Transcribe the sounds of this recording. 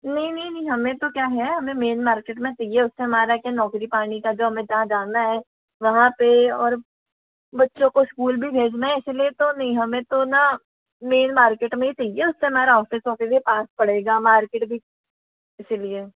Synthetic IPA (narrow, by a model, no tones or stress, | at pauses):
nɐɦĩnɐɦĩnɐɦĩɦɐmẽt̪okjaːɦɛɦɐmẽmeːnmaːɾkeːʈmẽt͡ʃɐieʊsːeɦɐmaːɾakjanɔːkɾipaːɽ̃ikad͡ʒoːɦɐmẽd͡ʒɐɦãd͡ʒaːnaɦɛ | ʋɐɦãpeɔːɾ | bɐtːʃõkoskuːlbʱibʱeːd͡ʒnaɪsliet̪onɐɦĩɦɐmẽt̪ona | meːnmaːɾkeːʈmẽɦit͡ʃɐieʊsːeɦɐmaːɾaɔːfɪsoːkeliepaːspɐɽeːɡamaːɾkeːʈbʱi | ɪslie